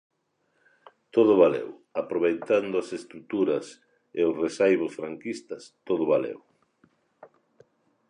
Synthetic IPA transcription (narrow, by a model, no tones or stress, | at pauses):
t̪oðʊβalḛw | apɾoβ̞ejt̪and̪ʊasest̪ɾut̪uɾɐs | eʊsresajβʊsfɾaŋkist̪ɐst̪oðʊβalḛw